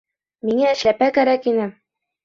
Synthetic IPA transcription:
miŋæɘ̆ʃlæpækæɾækinɘ

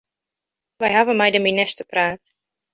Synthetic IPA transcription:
ʋɛjɦavənmɛjdəminɪstəpraːt

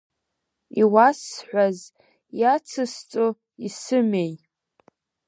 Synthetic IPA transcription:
iwasħᶣʷaz | jat͡sʰɨst͡sʼo | isɨmej

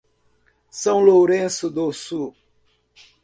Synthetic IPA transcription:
sɐ̃w̃loɾẽsʊd̪osu

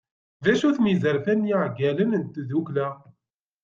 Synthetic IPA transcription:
ðæʃuθmizəɾfænjiʕɡælənənt̪ðuklæ

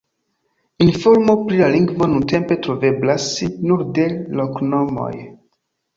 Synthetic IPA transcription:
info̞ɾmo̞pɾilaliŋɡvo̞nunte̞mpe̞tɾove̞blasnuɾde̞lokno̞mo̞̰j

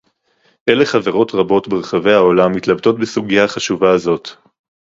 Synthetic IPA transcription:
ʔele̞χaveʁo̞tʁabo̞tbeʁχave̞jao̞lamːit̪labto̞tbesuɡijaχaʃuvaːzo̞t

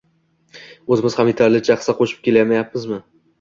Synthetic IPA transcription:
ɵzɪmɪz̥hamjet̪ʰaɾlɪt͡ʃʰaχɨ̥saqʰoʃɪp̚kʲe̞ljamajap̚mɪzmɪ

